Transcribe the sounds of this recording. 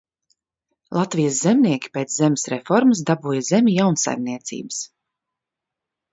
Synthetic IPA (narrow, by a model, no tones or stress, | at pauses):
lˠat̪vijəs̬zɛmnʲiɛkʲi̥peːt̪szemʲɪ̥sɾefɔɾməsd̪abuːjazemʲijawnsa̰jmniɛt̪sḭːbə̥s